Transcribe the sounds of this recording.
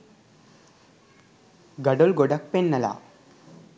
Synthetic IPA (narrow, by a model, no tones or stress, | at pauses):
ɡɐɖolɡoɖɐk̚penːɐla̰